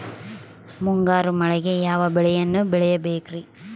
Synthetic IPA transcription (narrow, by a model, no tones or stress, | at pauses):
muŋɡaːɾumɐɭɐɡejaːʋɐbɛɭɛjɐnːubɛɭɛjɐbeːkɾi